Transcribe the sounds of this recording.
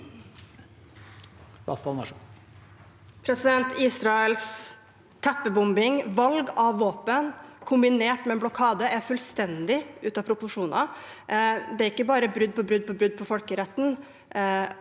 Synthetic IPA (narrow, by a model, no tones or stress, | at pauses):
b̥ɑ̰skɑlmɑʂ | pʰɾɛsɪd̪ɛnt̪iːsɾɑəls | t̪ʰæpːəbʊmbɪŋʋɑlɡɑʋːoːpənkʰʊmbɪneːʈmɛːnblʊkʰɑːd̪əæɾfʉlst̪ɛnd̪ɪʔʉːt̪ɑpʰɾʊpʊʂuːnʔɑ̰ | d̪ɛæɾɪkːəbɑːɾəbɾʉd̪̚pʰɔbɾʉd̪̚pʰɔbɾʉd̪̚ːpʰɔfɔlkəɾɛt̪ːn̩